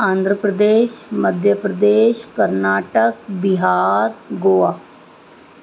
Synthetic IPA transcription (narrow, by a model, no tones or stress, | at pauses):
ãːnd̪ʱɾəpɾəd̪eːʃməd̪ʱjəpɾəd̪eːʃkəɾnaːʈək̚bɪɦaːɾɡoːaː